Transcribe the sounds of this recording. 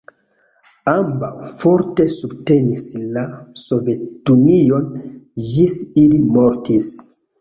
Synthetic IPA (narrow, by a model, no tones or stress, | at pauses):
ambawfo̞ɾte̞subte̞nislaso̞vetunio̞nd͡ʒisilimo̞ɾtis